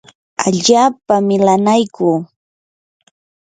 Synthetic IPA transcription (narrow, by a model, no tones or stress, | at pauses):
aʎaːpamɪlanajkʊː